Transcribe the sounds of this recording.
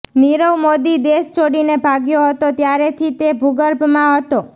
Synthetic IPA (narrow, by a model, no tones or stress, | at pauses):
niɾəwmod̪id̪est͡ʃoɽinebʱaɡjoɦət̪ot̪jaɾet̪ʰit̪ebʱuɡəɾbʱmãɦət̪o